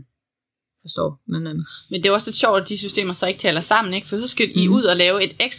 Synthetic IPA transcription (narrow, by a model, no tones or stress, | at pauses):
fɒsd̥ɒ̰noæn̩ˠmend̥e̝æɒ̽sle̝d̥ɕjɒ̰ʊ̥æd̥isysd̥e̝̰ːmɐsɒ̽e̝ɡ̥̚t͡sʰɛːlɐsɑ̈m̰n̩e̝ɡ̥fɒd̥is̬ɒ̽sɡ̥eiuð̞̰ˠɒlɛːʊe̝d̥eɡ̥s